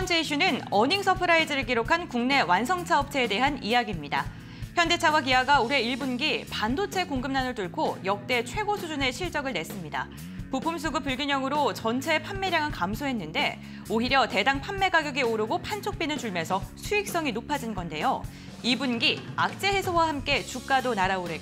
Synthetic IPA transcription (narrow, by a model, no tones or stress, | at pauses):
ʌnd͡ʑʰeiɕʰunɯnʌɲiŋsʰʌpʰɯɾaid͡ʑɯɾɯɭkiɾokʰankuŋne̞wansʰʌŋt͡ɕʰaʌp̚t͡ɕʰeːde̞ɦanijaɡimɲida̰ | çjʌnde̞t͡ɕʰawakiɦaɡauɾe̞iɭbunɡipandot͡ɕʰe̞koŋɡɯmnanɯɭtuɭkʰojʌk̚t͈e̞t͡ɕʰwe̞ɡosʰud͡ʑuneɕʰiɭt͡ɕ͈ʌɡɯɭne̞s͈ɯmɲida̰ | pupʰums̬ʰuɡɯpɯɭɡiɲʌŋɯɾot͡ɕʌnt͡ɕʰe̞pʰanːe̞ɾjaŋɯɭkamsʰoɦe̞nːɯnde̞ | oɦiɾjʌte̞daŋpʰamːe̞ɡaɡjoɡioɾɯɡopʰant͡ɕʰok̚p͈inɯnt͡ɕuɭmjʌnsʰʌsʰuik̚s͈ʌŋinopʰad͡ʑinɡʌnde̞jo | ibunɡiak̚t͡ɕ͈e̞he̞sʰowahamk͈e̞t͡ɕuk̚k͈adonaɾaoɾe